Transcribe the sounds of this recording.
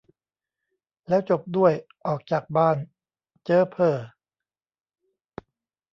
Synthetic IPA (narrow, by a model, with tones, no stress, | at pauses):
lɛː˦˥wt͡ɕo˨˩p̚du˥˩əjʔɔː˨˩k̚t͡ɕaː˨˩k̚baː˥˩n | t͡ɕɤː˦˥pʰɤː˨˩